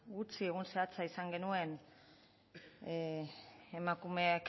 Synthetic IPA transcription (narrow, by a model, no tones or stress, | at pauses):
ɡut͡sie̞ɣunse̞at͡saisaŋɡe̞nue̞n | emakume̞ak